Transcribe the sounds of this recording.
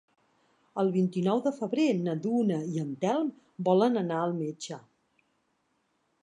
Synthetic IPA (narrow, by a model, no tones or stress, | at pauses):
əlˠβint̪inɔwðəfəβɾenəd̪unəiənt̪ɛlˠm | bɔlənənaəlˠmed͡ʒə